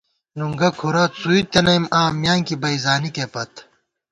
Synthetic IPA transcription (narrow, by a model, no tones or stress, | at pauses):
nuŋɡɐkʰuɾɐt̪suit̪enɐjmaːmjaːŋkibɐizaːnikepɐt̪